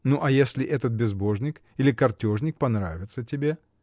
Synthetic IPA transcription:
nuʔɐjesʲlʲɪʔɛt̪ət̪̚bʲɪzbo̞ʐnʲɪk | ilʲɪkɐrtʲoʐnʲɪk̚pɐnɾa̰vʲɪt̪sətʲɪbʲe̞

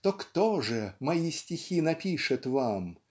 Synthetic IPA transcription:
t̪okt̪oʐɨmɐisʲtʲɪxʲinɐpʲiʂɨt̪vam

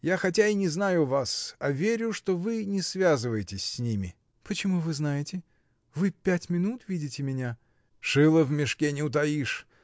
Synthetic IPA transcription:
jaxɐtʲainʲɪznajʊvasavʲeɾʲʊʂt̪o̞vɨnʲɪsvʲazɨvəjɪtʲɪsʲsʲnʲimʲɪ | pət͡ɕɪmuvɨznajɪtʲɪ | vɨpʲætʲmʲɪnut̪vʲidʲɪtʲɪmʲɪnʲa | ʂɨlˠəvmʲɪʂkʲenʲɪʊt̪̬ɐiʂ

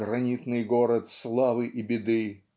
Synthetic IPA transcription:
ɾɐnʲit̪nɨjɡoɾət̪slˠavɨʔibʲɪd̪ɨ

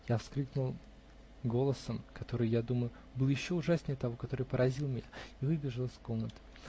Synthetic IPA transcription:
jafsklʲiknʊlˠ | ɡo̞lˠəsəmkɐt̪o̞ɾɨjjad̪uməjʊ | bɨlˠjɪɕːo̞ʊʐasnʲɪjət̪ɐvokɐt̪o̞ɾɨjpəɾɐzʲilˠmʲɪnʲaivɨbʲɪʐəlˠɨsko̞mnət̪ɨ̥

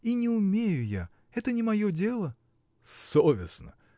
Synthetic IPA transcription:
inʲɪʊmʲejʊja̰ | ɛt̪ənʲɪmɐjodʲelˠə | sovʲɪsnə̰

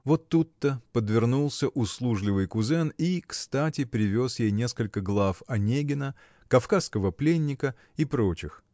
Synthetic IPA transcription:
vo̞t̪ːut̪ːəpəd̪vʲɪrnulˠsʲəʔʊslˠuʐlʲɪvɨjkʊzɛnikst̪atʲɪpɾʲɪvʲo̞sjejnʲe̞skəlʲkəɡlˠafɐnʲeɡʲɪnə | kɐfkaskəvəplʲenʲːɪkə | ipɾo̞t͡ɕɪx

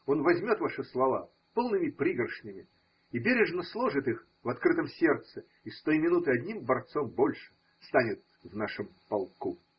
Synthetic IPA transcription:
o̞nvɐzʲmʲo̞t̪vaʂɨslˠɐva̰ | po̞lˠnɨmʲɪpɾʲiɡɾəʂnʲɪmʲɪ | ibʲeɾʲɪʐnəslˠoʐɨt̪ɨx | vɐt̪kɾɨt̪əmsʲert̪sɨ | ist̪ojmʲɪnut̪ɨɐd̪ʲnʲimbɐrt̪so̞mbo̞lʲʂɨ̥ | st̪anʲɪt̪̚ | vnaʂəmpɐlˠku

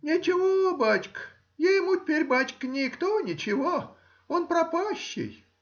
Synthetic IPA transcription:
nʲɪt͡ɕɪvobatʲk | jajɪmutʲɪpʲeɾʲbatʲkənʲɪkt̪onʲɪt͡ɕɪvo | onpɾɐpaɕːɪ̰j

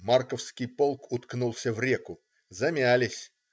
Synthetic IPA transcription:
markəfskʲɪjpo̞lˠkʰʊt̪knulˠsʲəvɾʲekʊ | zɐmʲalʲɪsʲ

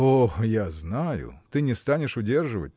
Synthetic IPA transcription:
oxjaznajʊ̰t̪ɨnʲɪst̪anʲɪʂʊdʲerʐɨvə̰tʲ

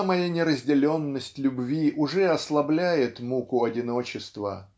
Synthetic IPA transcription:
mɐjanʲɪɾəzʲdʲɪlʲo̞nːəsʲtʲlʲʊbvʲiʔʊʐɛɐslˠɐblʲæjɪt̪mukʊɐdʲɪno̞t͡ɕɪst̪və̰

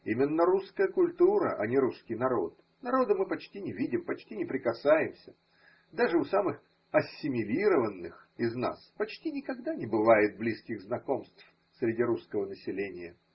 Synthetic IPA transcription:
imʲɪnːəɾuskəjəkʊlʲt̪uɾə̰ʔɐ̰nʲɪɾuskʲɪjnɐɾo̞̰t̪̚ | nɐɾo̞d̪əmɨpɐt͡ɕtʲinʲɪvʲidʲɪmpɐt͡ɕtʲinʲɪpɾʲɪkɐsajɪmsʲə | d̪aʐɨʊsamɨx | ɐsʲːɪmʲɪlʲiɾəvənːɨx | ɪzna̰spɐt͡ɕtʲinʲɪkɐɡd̪anʲɪbɨvajɪt̪̚blʲiskʲɪɣznɐko̞mst̪f | sɾʲɪdʲiɾuskəvənəsʲɪlʲenʲɪjə

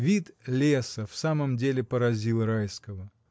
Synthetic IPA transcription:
vʲit̪lʲesəfsaməmdʲelʲɪpəɾɐzʲilˠɾajskəvə

